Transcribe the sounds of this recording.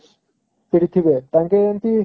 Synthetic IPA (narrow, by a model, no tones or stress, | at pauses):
piɾit̪ʰːibet̪ãŋkeent̪i